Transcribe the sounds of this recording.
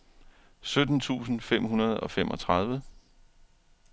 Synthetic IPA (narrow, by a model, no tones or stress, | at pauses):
sød̥n̩t͡sʰṵːsn̩fem̰ɦunɐð̞ˠɒ̽fem̰ʔɒ̽t͡sʰʁɑð̞ˠʋə